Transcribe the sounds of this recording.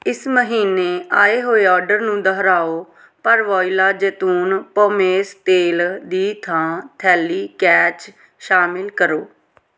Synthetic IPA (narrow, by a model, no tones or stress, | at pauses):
ɪsməɦiːneːaːeːɦoːeːɔːɾɖəɾnũːd̪əɦɾaːoː | pəɾʋɔːilaːd͡ʒəːt̪uːnpoːmeːst̪eːld̪iːt̪ʰãːt̪ʰɛːliːkɛːt͡ʃ | ʃaːmɪlkəɾoː